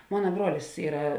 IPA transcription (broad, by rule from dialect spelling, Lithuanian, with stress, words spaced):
ˈmoːnɐ ˈbruɔlʲɪs ˈiːrɐ